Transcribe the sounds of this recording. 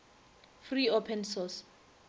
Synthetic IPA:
friopʰɛnsɔs

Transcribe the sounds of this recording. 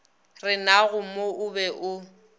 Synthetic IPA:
rɪnaɣʊmoʊbɛʔʊ

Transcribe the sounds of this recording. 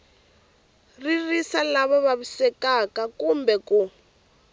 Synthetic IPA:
ririsalaβɔβaβusɛkakakumbɛku

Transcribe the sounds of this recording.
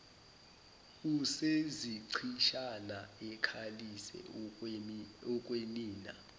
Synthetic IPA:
useziǀʰiʃanaɛkʰalisɛ̰ | ɔkʼweliːna

